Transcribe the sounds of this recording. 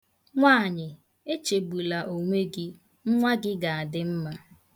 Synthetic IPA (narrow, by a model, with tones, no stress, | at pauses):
ŋʷaː˦˨ɲɪ˨ | e˦t͡ʃe˨bu˨la˨ʔo˨ŋʷe˦ɡɪ˦ | ŋ̩˦ŋʷa˦ɡɪ˦ɡa˨a˨dɪ˦m̩˦ma˦